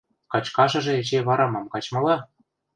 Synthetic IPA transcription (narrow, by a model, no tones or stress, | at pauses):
kɑt͡ɕkɑʒɤ̆ʒĕet͡ɕeβɑɾɑmɑmkɑt͡ɕmɤ̆lɑ